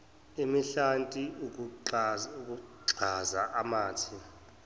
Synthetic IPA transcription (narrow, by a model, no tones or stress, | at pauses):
imiɬantʼi | ukʼuǀʱazaʔamaːtʰi